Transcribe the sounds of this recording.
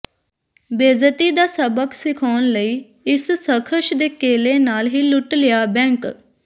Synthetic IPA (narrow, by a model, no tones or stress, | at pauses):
beːzət̪iːd̪aːsəbəksɪkʰaːnləiː | ɪssəkʰəʃd̪eːkeːleːnaːlɦiːlʊʈlɪjaːbɛ̃ːŋk